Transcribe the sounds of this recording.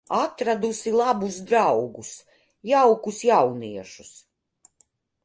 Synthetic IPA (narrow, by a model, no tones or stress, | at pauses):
at̪ɾad̪usilˠabusd̪ɾawɡus | jawkusjawniɛʃu̥s